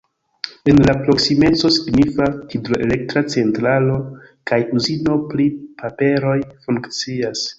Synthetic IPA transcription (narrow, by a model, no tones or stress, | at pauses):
e̞nlapɾo̞ksime̞t͡so̞siɡnifakidɾo̞ʔele̞k̚tɾat͡se̞ntɾalo̞kajuzino̞plipʰape̞ɾo̞jfuŋkt͡sias